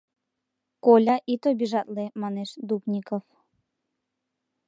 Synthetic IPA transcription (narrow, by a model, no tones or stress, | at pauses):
kolʲɑʔit̪obiʒɑt̪lemɑneʃd̪upnʲikof